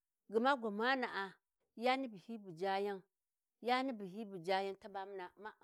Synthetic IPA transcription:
ɡi˨ma˦ɡʷa˨ma˦na˨ʔa˨ | ja˦ni˦bi˨hi˦bu˨d͡ʒa˦ja˦ŋ | ja˦ni˦bi˨ɦi˦bu˨d͡ʒa˦ja˦ŋta˦ba˦m˦na˨ma˦˨

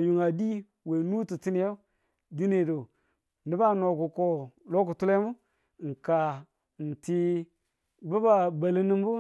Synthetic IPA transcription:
ju˨ŋa˨di˦ | we˨nu˦ti˨ti˦ni˨jo˦ | ɡi˦ne˨do˨ | ni˦ba˦no˨ku˨ko˨lo˦ku˨tu˦le˦mu˦˨ | ŋ̩˨ka˨ | n̩˨ti˦ | bu˦ba˨ba˨li˦ni˦m˦bu˦

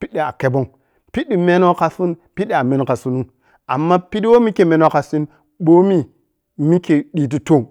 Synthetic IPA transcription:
pi˦ɗi˨a˨ke˦bo˦ŋ | pi˦ɗi˦me˦no˦ka˨si˦npi˦ɗi˨a˨me˦n˨ka˨su˦nu˦ŋ | a̰˨mːa˦pi˦di˦wo˦mi˦ke˦˨me˦n˦o˦ka˨si˦n | ɓo˦mi˦ | mi˦ke˨ɗi˨t̬i˦to˦˨ŋ

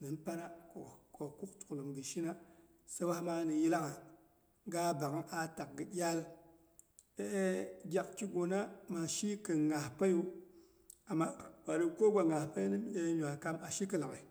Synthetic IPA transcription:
nɨ˨npa˦na˦ko˨ko˨ku˦k̚tu̥˨lə˨mdi˨ʃi˦na˦ | sa˦wa˦hma˦ni˨ji˦la˦ka˨ | ɡa˦ba˨ka˦nʔa˨ta˨k̚ɡə˨ɗʲa˦l | e˦ʔe˦ɡʲa˨kt͡ʃi˦ɡo˨na˦ma˨ʃi˦kə˨ŋa˨hpa˦ju˦ | a˨mːa˦wa˨di˨ko˦ɡʷa˨ŋa˨hpa˦ni˦m˦e˦ɲu˨a˨ka˦ma˨ʃi˦kə˨la˨ki˨

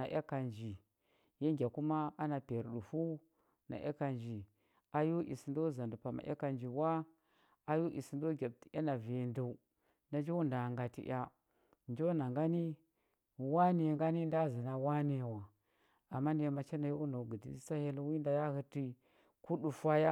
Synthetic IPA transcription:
na˨ʔa̰˦ka˨nd͡ʒi˨ | je˦ŋɡʲa˨ku˦ma˦a˦na˨pe˨ɾɗu˨fu˦ | na̰˨ʔa̰˦ka˨nd͡ʒi˨ | a˨jo˦ʔḭ˨si˨ndo˦˨za˨ndu˨pa˨ma̰˨ʔa̰˦ka˨nd͡ʒi˨wa˦ | a˦jo˦ʔḭ˨si˨ndo˦ɡʲa˨b̚ti˨a˦na˨ve˨˦ndu˦˨u˦ | na˨d͡ʒo˦wu˦nda˨ŋɡa˨tḭ˦ʔʲa˦ | nd͡ʒo˦na˨ŋɡa˦ni˦ | wa˦ni˨ŋɡa˦ni˦n˦da˦˨zi˨na˦wa˦ni˨wa˨ | a˨mːa˦ne˨˦˨ma˨t͡ʃe˦na˨jo˦u˦na˨ɡə˨dḭ˨i˦sa˦he˦lwi˦nda˨ja˦hə˦ti˦ | ku˦ɗu˨fa˦ja˦

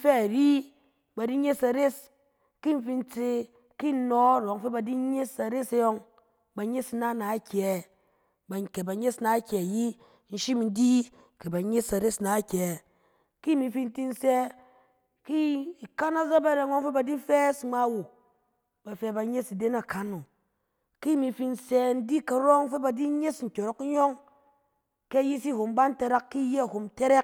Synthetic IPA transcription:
fɛ˦˨ɾi˦ | ba˨di˦ɲe˦sa˨ɾe˦s | ki˦n˦fi˧n̩˦t͡se˧ | ki˦˨˦no˦ɾo˨˦ŋfe˦ba˨di˦ɲe˦sa˨ɾe˦se˧jo˧ŋ | ba˨ɲe˦si˧na˦˨na˨˦kʲɛ˨ | ba˨ke˨ba˨˦ɲe˦sna˨˦kʲɛ˨ji˦ | n̩˦ʃi˦m˦n̩˦di˦ | ke˨ba˨ɲe˦sa˨ɾe˦sna˨˦kʲɛ˨ | ki˦mi˨˧fi˦n̩˦ti˦n̩˦sɛ˦ | ki˦i˨ka˦na˦za˦ba˦˨ɾe˨ŋo˦ŋfe˦ba˨di˦fɛ˦sŋ͡ma˦wu˨ | ba˨fe˧˦ba˧ɲe˦si˨de˦na˨ka˨no˨ | ki˦˨mi˧fi˧n̩˦sɛ˧n̩˦di˦ka˨ɾo˦ŋfe˦ba˨di˦ɲe˦sn̩˨kʲo˨ɾo˨k̩˦ɲo˦ŋ | ke˦˨ji˦si˦˨ɦo˨mba˦n̩˦te˧ɾa˦kːi˦je˦a˨ho˨mte˦ɾe˦k

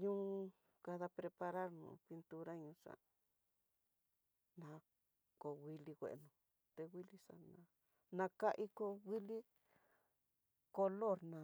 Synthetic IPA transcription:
ɲũ˦˧ | ka˧ða˧pɾe˧pa˧ɾa˦ɾnṵ̃˨pi˧nt̪u˧ɾa˦ɲũ˧˦ʂa̰˨ | nã˨˦ | ko˨wʷi˧li˧kʷḛ˨ʔnũ˧˨ | t̪e˧wʷi˦li˦ʂa̰˧˨nã˧ | nã˧ka˦ʔi˦ko˧ɣi˦li˦ | ko˧lo˦˨ɾnã˨˧

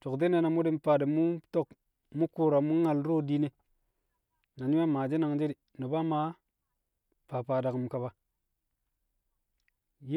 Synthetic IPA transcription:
to˨kde˦ne˨na˨mu˦di˦mpa˨di˨mu˦to˦˨k | mu˦ku˦ɾa˨mu˦ŋa˨lɾo˦di˦ne˨ | na˨ɲi˦a˦maː˨d͡ʒe˦na˨ŋd͡ʒe˦di˨ | ni˨ba˦ma˨˦ | pa˨paː˨da˨km˨ka˨ba˨ | j

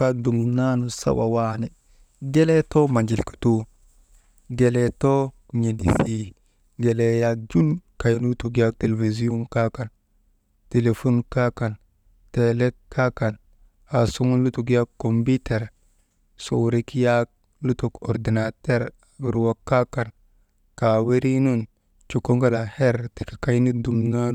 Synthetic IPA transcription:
a˦du˨mna˦nu˨sa̰˦wa˨wa˦ne˨ | ɡe˦le˦to˦ma˨nd͡ʒi˨lki̥˨tu˦ | ɡe˨le˨to˦kɲe˨dḭ˨si˦ | ɡe˨le˨ja˦k̚d͡ʒu˦nka˨jnlu˦tu˨ɡi˦a˦k̚te˨le˨vi˨zi˦jo˦nka˦ka˨n | te˨le˨fo˦nka˦ka˨n | te˨le˦kkːa˦ka˨n | a˨su˦ŋu˦nlu˦tu˨ɡi˦a˦kːo˨mbi˦te˨ɾ | so˨wɾi˦ki˦ja˦k̚ | lu˦to˨ko̰˨ɾdi˨na˨te˦ɾa˨ɡi˨ɾwa˦kːa˦ka˨n | ka˨we˦ɾi˦nu˦n | t͡ʃu˨ko˦ŋɡa˦la˨he˦ɾte˨ka˨ka˦jni˦du˨mna˦

